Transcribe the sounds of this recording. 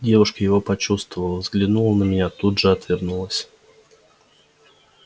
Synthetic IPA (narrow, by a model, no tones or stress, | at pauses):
dʲe̞vʊʂkəjɪvo̞pɐt͡ɕust̪vəvəlˠəvzɡlʲɪnulˠənəmʲɪnʲat̪udʐɨɐt̪vʲɪrnulˠəsʲ